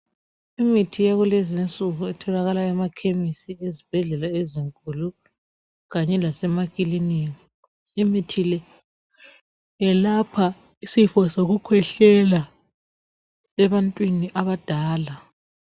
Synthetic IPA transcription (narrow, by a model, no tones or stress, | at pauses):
imitʰijaɣulezint͡sʼuɣuɛtʰɔlaɣalaɛmakʰemisiezib̥ʱɛɮɛlaeziŋkʼulu | ɣaɲɛlasɛmakʼiliniŋi | imitʰilɛ | ɛlapʰa | isifɔsoɣukʰwɛɬɛla | ɛβantʼwiniʔaβad̥ʱaːla